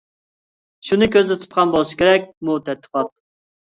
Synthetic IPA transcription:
ʃunɨkʲʰøzd̪ɛt̪ʰu̥t̪̚qʰɑnbolˠɨsɨ̥kʲʰeɾɛk̚ʲmut̪ʰɛt̪̚ːə̥qʰɑt̪̚

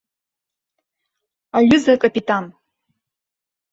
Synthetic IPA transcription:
aɥʊzakʼapʼitʼan

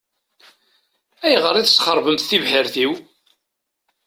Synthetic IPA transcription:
æjʁəɾˤiðəsχəɾˤvəmt̪θivħəɾθiw

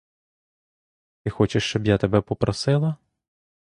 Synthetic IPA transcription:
ɪxɔt͡ʃeʃt͡ʃɔbjat̪ebɛpɔpɾɔsɪlˠɐ

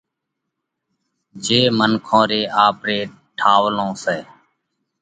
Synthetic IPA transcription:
d͡ʒeːmənkʰõːɾeːʔaːpɾeː | ʈʰaːʋlõːsɛː

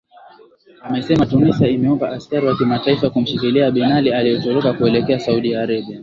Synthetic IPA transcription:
amɛsɛmatunisaimɛɔmbaʔaskaɾiwakimataifakum̩ʃikiliaɓinalialijɛtɔɾɔkakuɛlɛkɛasauɗiaːɾaɓia

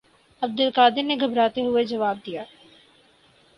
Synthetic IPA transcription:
ɐb̚d̪ʊlqaːd̪ɪɾneɡʱɐbɾaːt̪eɦʊed͡ʒɐʋaːb̚d̪ijaː

